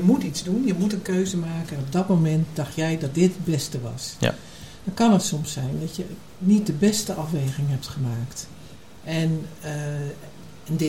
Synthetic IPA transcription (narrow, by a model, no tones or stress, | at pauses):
jəmutitzdunjəmutənkøɥzəmaːkənɔb̚dɔtmowmɛnt̚d̥ɑxtjɛjdɔt̚dɪtbɛstəʋɑ̰s | d̥ɔnkɑnətsɔmsːɛjndɔtjə | nit̚dəbɛstəʔɑfʋeːɣɪŋɦɛp̚tχəmaːkt | ʔɛn | ndɪ